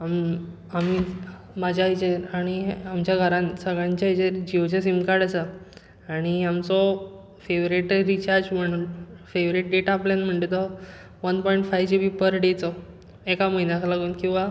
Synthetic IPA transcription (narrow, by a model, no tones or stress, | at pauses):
am | ami | mad͡ʑʱjait͡ɕeɾaɽ̃iamt͡ɕjaɡʱəɾãnsəɡɭãɲt͡ɕait͡ɕeɾd͡ʑiʋd͡ʑas̬imkaɽasə | aɽ̃iamt͡sɔ | feʋɾiʈɾit͡ɕaɾd͡ʑməɳfeʋɾiʈ̚ɖeʈaːpljanm̤əɳʈ̪et̪ɔ | ʋənpɔiɳʈfajʋd͡ʑibipəɾɖet͡sɔ | ekaməjnakʰalaɡuːnkĩw̃ʋa